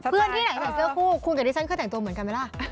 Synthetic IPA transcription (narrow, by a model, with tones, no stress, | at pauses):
pʰɯ˥˩ənt̪ʰiː˥˩na˩˦t͡ɕaː˨˩sɯː˧˥əkʰuː˥˩kʰu˧nka˧˩ɾiː˧˥˩t͡ɕʰkʰːtɛ˨˩ŋt̪u˧ə˧mɯ˦ənka˧ma˧la˧˥˩